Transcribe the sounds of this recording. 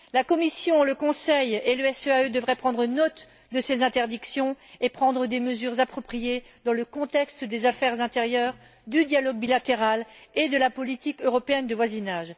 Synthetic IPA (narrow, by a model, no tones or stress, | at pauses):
lakɔmisjɔ̃ləkɔ̃sɛjeləɛsøaød̪əvʁɛpχɑ̃d̪ʁənɔt̪ | d̪əsezɛ̃t̪ɛʁd̪iksjɔ̃epχɑ̃d̪ʁəd̪eməzyʁzapχɔpχijed̪ɑ̃ləkɔ̃t̪ɛkst̪d̪ezafɛʁzɛ̃t̪eʁjœʁ | d̪yd̪jalɔɡ̚bilat̪eʁaled̪əlapɔlit̪ikøʁɔpeɛnd̪əvwazinaʒ